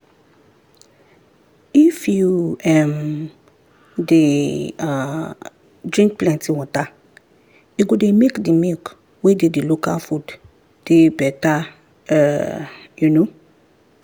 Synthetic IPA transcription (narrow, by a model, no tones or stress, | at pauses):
ifjuɛm | dea | dɹĩŋk̚plɛ̃ntĩwɔ̃ta | juɡudemekdimilk | wededilokafud | d̥ebɛta | ɛ | juno